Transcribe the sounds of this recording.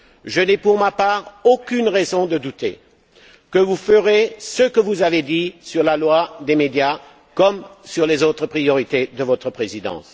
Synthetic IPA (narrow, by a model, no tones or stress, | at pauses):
ʒənɛpuʁmapaːʁokʲynʁɛzɔ̃d̪əd̪ut̪ḛ | kəvufəʁesəkəvuzaved̪isyʁlalwad̪emed̪ja | kɔmsyʁlezot̪χəpχijɔʁit̪ed̪əvɔt̪χəpχezid̪ɑ̰̃s